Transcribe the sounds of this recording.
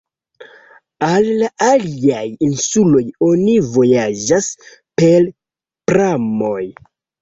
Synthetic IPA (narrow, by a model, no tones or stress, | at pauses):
alːaʔaliajinsulo̞jo̞nivo̞jad͡ʒas | pe̞l | pɾamo̞j